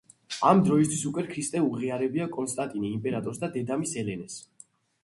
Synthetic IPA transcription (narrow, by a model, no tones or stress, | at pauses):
amd̪ɾɔis̬t̪ʰwisukʼwɛkʰɾist̪ʼɛulʁiaɾɛbiakʼɔnst̪ʼant̪ʼiniːmpʼɛɾat̪ʼɔɾsd̪ad̪ɛd̪amisɛlɛnɛs